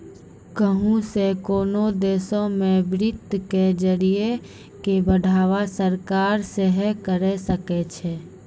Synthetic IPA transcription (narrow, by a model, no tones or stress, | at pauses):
kəɦũsekoːnod̪eːsõmeʋɾɪt̪ːked͡ʒəɾie | kebəɖʱaːʋasəɾkaɾseɦɛkəɾɛsəkɛt͡ʃʰɛ